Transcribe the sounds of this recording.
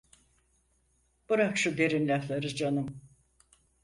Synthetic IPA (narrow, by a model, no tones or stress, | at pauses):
b̥uɾakʃud̪e̞ɾimlʲaflˠaɾɯzd͡ʒanɯm